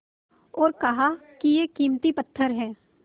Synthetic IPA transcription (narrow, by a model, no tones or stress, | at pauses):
ɔːɾkɐɦakijekiːmt̪ipət̪ʰːəɾɦɛ̃ː